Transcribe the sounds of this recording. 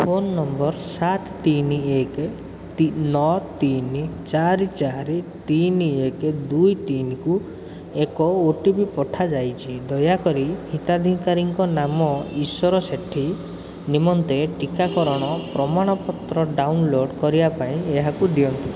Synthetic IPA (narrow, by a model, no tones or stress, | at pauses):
pʰonːɔmbɔɾsat̪t̪iniek̪ | nɔt̪int͡ʃaɾit͡ʃaɾit̪iniekd̪ujt̪inku | ekɔoʈibipɔʈʰad͡ʒajt͡ʃʰid̪ɔjakɔɾihit̪ad̪ʱiŋkaɾiŋkɔnamɔiswɔɾɔseʈʰi | nimɔnt̪eʈikakɔɾɔɽ̃ɔpɾɔmaɽ̃ɔpɔt̪ɾɔɖawnloɖkɔɾibapaĩeɦakud̪iɔnt̪i